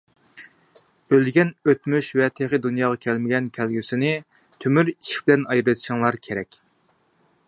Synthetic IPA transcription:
ølɡʲɛnøt̪myʃwɛt̪ʰeʁəd̪unjɑːʁɑkʲʰælmɪɡʲɛnkʲʰælɡʲysɪnɪ | t̪ʰømyɾi̥ʃʰi̥bɪlɛnɑjɾɨt̪ʰɪ̥ʃɪŋlˠɑɾkʲʰeɾɛkʲ

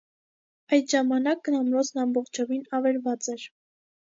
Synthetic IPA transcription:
ɑjt̪ʒɑmɑnɑk̚ɡənɑmɾɔt͡sʰnɑmbɔχt͡ʃʰɔvinɑvɛɾvɑt͡sɛɾ

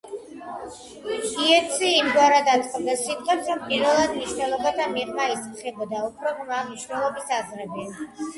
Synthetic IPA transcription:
iɛt̪sʰiːmɡwaɾad̪at̪ʼqʼmd̪asit̪χʼɛpsɾɔmpʼiɾvɛlˠad̪mniʃnɛlˠɔbad̪ʰamiʁmaismχɛbɔd̪aɔpʰɾɔʁmamniʃwnɛlˠɔbisazʁɾɛbi

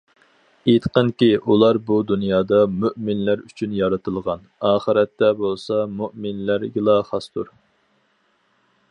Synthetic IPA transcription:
it̪qənkʲiʔulˠɑɾbud̪unjɑːd̪ɑmyʔmɪnlæɾyt͡ʃʰynjɑɾɨt̪ʰɨlˠʁɑnɑːχəɾɛt̪ːɛbolˠsɑmuʔmɪnlæɾɡilˠɑχɑst̪ʰuɾ

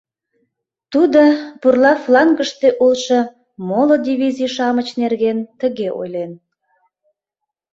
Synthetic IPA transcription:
t̪ud̪opurlɑflɑŋɡəʃt̪eʔulʃɤ̽ | molod̪ivizijʃɑmət͡ɕnerɣent̪əɣeʔo̰jlen

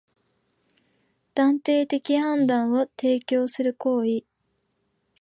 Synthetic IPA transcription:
d̪̥ãnt̪e̞ːt̪e̞kʲihãnd̪ãɰ̃βot̪e̞ːkʲo̞ːsɨɾɯ̟ko̞ːi

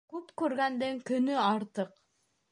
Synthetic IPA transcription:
kʉpkʉɾɡænd̪ɘŋkɵnyɑɾt̪ɤq

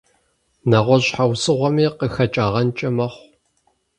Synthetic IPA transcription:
naʁʷɔɕħawsɨʁʷɔmiːqəxɐt͡ʃʼaːʁɐnt͡ʃʼɐmɐχʷ

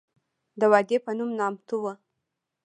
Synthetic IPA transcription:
d̪əwɑd̪epənumnɑmt̪uwə

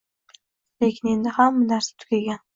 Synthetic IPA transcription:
lekʲʰɪne̞nd̪ɪhamːɪnaɾsɪ̥t̪ʰʊ̥kʲaɡʲan

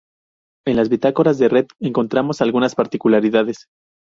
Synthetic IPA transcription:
e̞nlazβit̪ako̞ɾazðe̞ret̪e̞ŋko̞nt̪ɾamo̞salɣunaspaɾt̪ikulaɾiðaðe̞s

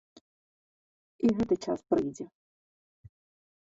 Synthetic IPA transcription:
iɦɛt̪ɪjt͡ʃaspɾɪjdʲɛ

